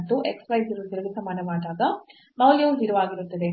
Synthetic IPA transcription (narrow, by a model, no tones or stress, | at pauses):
t̪ːuʔeksplɐjsiɾut̪iɾɐɡisɐmaːnɐmaːd̪aːɡ̪ɐ | mɐwljɐuʋiɾɐʋaːɡiɾut̪ːɐd̪e